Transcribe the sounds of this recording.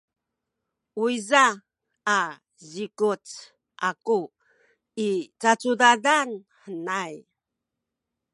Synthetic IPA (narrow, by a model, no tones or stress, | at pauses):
uizaː | zikut͡s | ʔaku | it͡sat͡sudadan | ħənaj